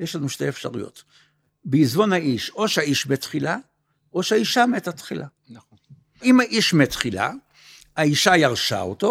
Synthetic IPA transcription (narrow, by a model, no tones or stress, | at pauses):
jeʃlanuʃteefʃa̰ʁujo̞̰t̪ | beizvo̞naiʃo̞ʃeaiʃmetχila | ʔo̞ʃaiʃametat̪χilʔa | imaʔiʃmet̪χila̰ | aiʃajaʁʃa̰o̰to̞